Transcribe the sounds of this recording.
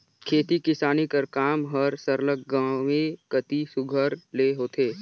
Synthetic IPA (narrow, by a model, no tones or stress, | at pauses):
kʰeːt̪ikɪsaːnikəɾkaːmɦəɾsəɾlək̚ɡãːwekət̪isʊɡʱəɾleːɦoːt̪eː